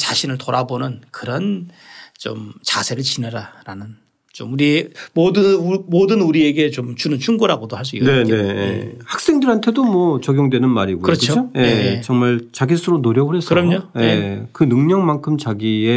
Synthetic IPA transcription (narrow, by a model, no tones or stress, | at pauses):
t͡ɕaɕʰinɯɭtoɾabonɯnkɯɾʌn | t͡ɕo̰mt͡ɕasʰe̞ɾɯɭt͡ɕinɯɾaɾanɯn | t͡ɕomuɾimodɯmodɯnuɾie̞ɡe̞t͡ɕomt͡ɕunɯnt͡ɕʰuŋɡoɾaɡodohaɭs̬͈uikne̞ne̞jḛhak̚s͈e̞ŋdɯɾɦantʰe̞domwʌt͡ɕʌɡjoŋdwe̞nɯnmaɾiɡokɯɾʌt͡ɕʰoojet͡ɕʌŋmaɭt͡ɕaɡisʰɯɾonoɾjʌɡɯɭɦhe̞sɯɾʌmɲojekɯnɯŋɲʌŋmankʰɯmt͡ɕaɡie